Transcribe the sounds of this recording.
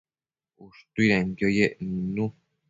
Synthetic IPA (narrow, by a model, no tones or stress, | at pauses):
uʃt̪uiɾẽnd̪jojeʔnũnũ